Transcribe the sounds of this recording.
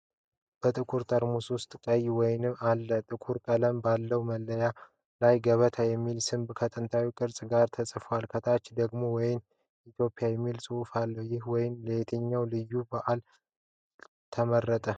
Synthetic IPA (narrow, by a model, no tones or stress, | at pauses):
b̥ət̪ʼɨkʰuɾt̪ʼəɾmuswʊst̪ʼkʼəjwɔjnɨmalːət̪ʼɨkʰuɾk̪ʼələmbalːəwməlːəja | lajɡəβət̪ʰəjɛmːilsɨmbkʰət̪ʼɨnt̪ʰawikʼɨɾsʼɡaɾt̪ʰəsʼɨfwalkʰət̪ʰat͡ʃːd̪əɡmo̞wɔjɪn | it̪ʰjo̞pʼɪjajɛmːilsʼɨufalːəwjɪhwɔjɪnləjet̪ʰəɲːawlɨjːubaʔal | t̪ʰəmərːət̪ʼə